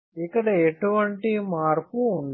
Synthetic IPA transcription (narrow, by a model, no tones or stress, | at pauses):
ikːɐɽɐeʈuʋɐɳʈimaːɾpuːɳɖ